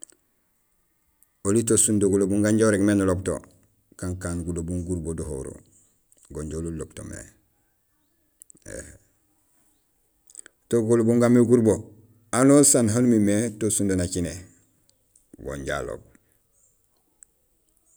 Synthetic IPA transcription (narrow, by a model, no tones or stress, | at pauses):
olitosundoɡulobuŋɡaɲɟoɾeɡmenulobto̰ | kaŋkaːnɡulobuŋɡuɾboduho̰ɾo̰ | ɡoɲɟolulobto̰mḛ | ḛh | toɡolobuŋɡamːeɡuɾbo | anosanɦanumimetosundonakine | ɡo̰ɲɟa̰lo̰b̚